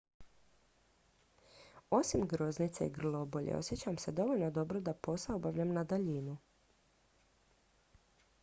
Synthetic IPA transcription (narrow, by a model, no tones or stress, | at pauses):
o̞simɡɾo̞znit̪seiɡr̩lo̞bo̞ʎḛo̰sjet͡ɕamse̞d̪o̞ʋo̞ʎnod̪o̞bɾo̞d̪apo̞saobaʋʎamnad̪aʎinu